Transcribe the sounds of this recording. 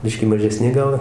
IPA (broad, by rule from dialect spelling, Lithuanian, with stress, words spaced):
ˈbʲɪʃʲkʲiː mɐʒʲɛˈsʲnʲɪ ˈɡɐlˠ